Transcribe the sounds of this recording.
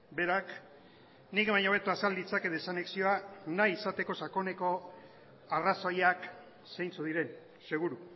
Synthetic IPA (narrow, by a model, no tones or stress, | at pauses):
be̞ɾak | nikβaɲoβet̪uasald̪it͡sake̞ðesaneksioanajːsat̪e̞ko̞sako̞ne̞ko̞ | araso̞jak | sejnt͡suðiɾe̞n | se̞ɣ̞uɾu